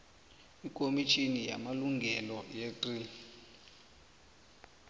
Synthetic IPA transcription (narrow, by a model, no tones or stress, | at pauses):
ik̬ʼomit͡ʃʰʼinija̰maluŋɡʱɛlɔjetʼi